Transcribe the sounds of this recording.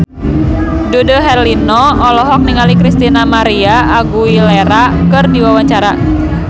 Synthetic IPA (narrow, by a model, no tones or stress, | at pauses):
dudoɦɛrlinɔɔlɔɦɔk̚niŋalikɾist̪inamaɾiaʔːɡuileɾakɨrdiwawaɲt͡ʃaɾa